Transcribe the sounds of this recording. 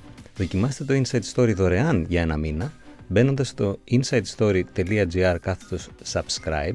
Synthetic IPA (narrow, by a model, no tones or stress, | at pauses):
ðo̞cimɐset̪e̞t̪o̞insɐjt̪st̪o̞ɾiðo̞ɾe̞ɐnʝɐe̞nɐminɐbe̞no̞nd̪ɐst̪o̞insɐjt̪st̪o̞ɾit̪e̞liɐd͡ziɐɾkɐθe̥t̪o̞ssɐbskɾɐ̰jb